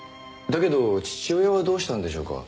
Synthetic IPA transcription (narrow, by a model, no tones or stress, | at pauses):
d̪ake̞d̪o̞t͡ɕi̥t͡ɕiojeβad̪o̞ːɕi̥t̪ãnd̪e̞ɕo̞̰ːka̰